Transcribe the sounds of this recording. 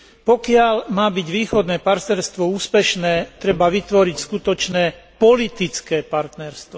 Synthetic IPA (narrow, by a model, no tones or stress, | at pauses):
pɔkɪalmaːbiɟʋiːxɔd̪nɛːpaɾt̪nɛɾst̪ʋɔuːspɛʃnɛːt̪ɾɛbaʋit̪ʋɔɾicskut̪ɔt͡ʃnɛːpɔlit̪it͡skɛːpaɾt̪nɛɾst̪ʋɔ